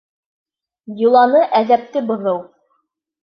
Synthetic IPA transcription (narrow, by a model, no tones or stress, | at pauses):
julˠɑnɤʔæðæp̚t̪ɘbŏðɤw